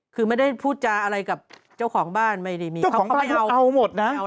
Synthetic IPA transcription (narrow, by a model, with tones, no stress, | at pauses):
kʰɯː˧ma˥˩jda˥˩jpʰuː˥˩t̪̚t͡ɕaː˧ʔa˧ɾa˧jka˨˩p̚ | t͡ɕa˥˩wkʰɔː˩˦ŋbaː˥˩nma˥˩jda˥˩jmiː˧t͡ɕa˥˩˦ɔː˩˦aː˥˩kʰa˥˧wʔa˧wmo˨˩t̪̚na˦˥˧